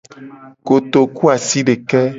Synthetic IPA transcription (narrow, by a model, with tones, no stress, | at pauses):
ko˨t̪o˨ku˦a˨si˦ɖe˨kɛ˦